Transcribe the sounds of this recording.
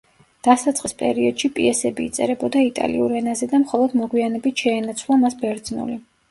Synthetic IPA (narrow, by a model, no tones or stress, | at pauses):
d̪̥asat̪sʼqʼispʼɛ̰ɾiɔd̪̥ʃipʼḭɛsɛbiːt̪sʼɛ̰ɾɛbɔd̪ait̪ʼa̰lḭṵɾɛnazɛd̪amχɔlˠɔd̪mɔɡwianɛbit̪ʰʃɛːnat̪sʰwlˠamasbɛɾd̪znṵli